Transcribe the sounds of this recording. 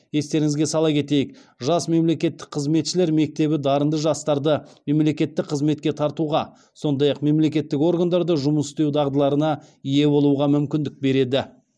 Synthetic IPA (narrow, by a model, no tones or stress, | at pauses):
je̞st̪e̞ɾɪŋɪzɡʲesɑlˠɑkʲe̞t̪e̞jɪkʒɑsme̞mle̞kʲe̞t̪ːɪ̥k̚qʰəzme̞t̪ʃɪle̞ɾme̞k̚t̪e̞bɪd̪ɑɾənd̪əʒɑst̪ɑɾd̪əme̞mle̞kʲe̞t̪ːɪk̚qʰəzme̞t̪̚kʲe̞t̪ʰɑɾt̪uʁɑ | so̞nd̪ɑjɑqme̞mle̞kʲe̞t̪ːɪko̞rɡand̪ɑɾd̪əʒʊməsɪ̥st̪e̞wd̪ɑʁd̪əlˠɑɾənɑije̞bo̞lˠuʁɑmʏmkʲɪnd̪ɪk̚be̞ɾe̞d̪ɪ